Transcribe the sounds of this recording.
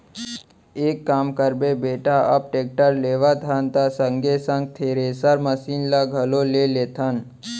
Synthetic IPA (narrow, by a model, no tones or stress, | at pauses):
eːkːaːmkəɾbebeːʈaʔɐp̚ʈeːk̚ʈəɾleːʋat̪ʰaːnt̪asəŋɡesə̃ŋɡ̚t̪ʰeːɾesəɾməsiːnlaɡʱəloleleːt̪ʰan